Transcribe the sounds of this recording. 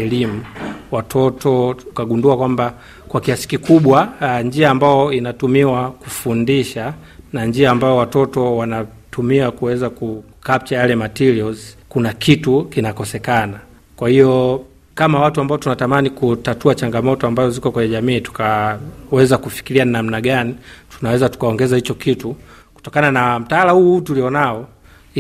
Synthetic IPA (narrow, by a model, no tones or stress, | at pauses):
ɛlimuwatʰɔtʰɔukaɡunduakwamba | kwakiasi̥kikuɓwaɲd͡ʒiaːmbajɔinatumiwakufundiʃa | naɲd͡ʒiaːmbaɔwatɔtɔwana | tumiakuwɛzaku | kap̚t͡ʃajalɛmatiɾiɔzkunakʰitukinakɔsɛkana | kwahijɔ | kamawatuambaɔtunatamanikutatuat͡ʃaŋɡamɔtɔambazɔzikɔkwɛɲɛʄamiːtu̥kawɛzakufi̥kiɾiannam̩naɠanitʰunawɛzatu̥kaɔŋɡɛzahit͡ʃɔkitu | ku̥tɔkananam̩taalahutuliɔnaɔ